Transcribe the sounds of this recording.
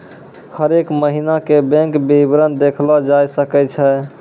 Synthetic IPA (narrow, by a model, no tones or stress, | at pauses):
həɾekməɦinakebɛ̃ŋkbibɾənd̪ekʰlɔd͡ʒajsəkɛt͡ʃʰɛ